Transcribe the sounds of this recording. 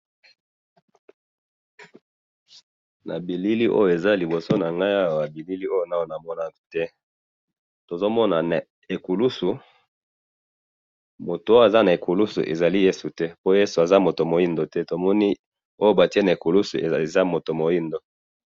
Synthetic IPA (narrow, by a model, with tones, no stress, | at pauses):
na̰˨bi˨li˦li˦ʔo̰˦jo˨e˨za˦li˨bo˨so˦na˨ŋɡa˦ja˦wo˨ja˨bi˨li˦li˦o˦jo˦˨na˦wo˦˨na˨mɔ˦na˨tɛ˦ | to˨zo˦mɔ˦na˨na˨ | e˨ku˨lu˦su˨ | mo˨to˨o˦o˦a˨za˦na˨e˨ku˨lu˦sṵ˨ʔḛ˨za˨li˦je˦su˨tɛ˦po˦je˦su˨a˨za˦mo˨to˨mo˨i˦ndo˨tɛ˦to˨mɔ˦ni˦ | o˦jo˦ba˨ti˦e˦na˨e˨ku˨lu˦su˨za˦mo˨to˨mo˨ji˦ndo˦